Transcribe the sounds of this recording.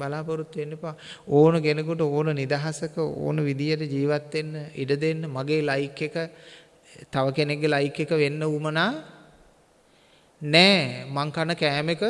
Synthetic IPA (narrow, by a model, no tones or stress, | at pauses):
balaːpəɾut̪ːenːepaːoːnəɡenəkuʈəoːnənid̪aɦasəkəo̰ːnəʋid̪ijəʈəd͡ʒiːʋat̪ːenːəiɖəd̪enːəmaɡeːlajikːekə | t̪aʋəkeneɡːelajikːekəʋenːəumənaː | nɛːmaŋkanəkɛːmekə